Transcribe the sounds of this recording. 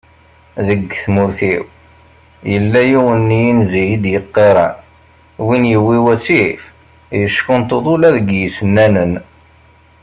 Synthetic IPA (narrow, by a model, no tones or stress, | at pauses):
ðəɡːθmʊɾθiw | jəlːæjiwənːijinzijid̪jəqːeɾˤɑ̰n | winjəwːiwæsif | jəʃkʊnt̪oðˤʊlæðəɡjəsənːænən